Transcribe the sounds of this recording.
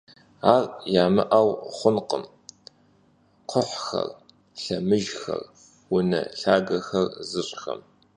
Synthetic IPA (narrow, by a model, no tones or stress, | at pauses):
aːrjaːmɨʔawχʷʊnqəm | qʷʰʊħxɐ̰r | ɬɐmɨʒxɐ̰r | wʊnɐ̰ɬaːɡɐxɐrzɨɕʼxɐ̰m